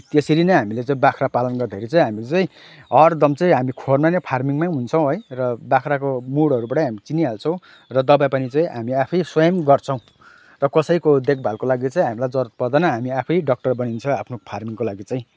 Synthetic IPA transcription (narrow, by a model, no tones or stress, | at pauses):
t̪eseɾinʌɦamilet͡saĩbakʰrapalʌnɡʌrd̪ʱeɾit͡saĩɦamit͡sʌĩ | ɦʌrd̪ʌmt͡saĩɦamikʰormanepʰarmiŋmajɦunt͡sʰʌ̃w̃ɦʌjrʌbakʰrakomuɽʌɾubaʈʌjɦmit͡siniɦalt͡sʰʌ̃w̃ | rʌd̪ʌbapʌnit͡sʌ̃ĩɦamiapʰʌjswʌjʌmɡʌrt͡sʰʌ̃w̃ | rʌkʌsʌjkod̪ek̚ʰbʱalkolaɡit͡saĩɦamilajd͡zʌɾʌt̪̚pʌrd̪anʌɦamiapʰʌjɖʌk̚ʈʌrbʌnint͡sʰʌapʰnopʰarmiŋkolaɡit͡sãĩ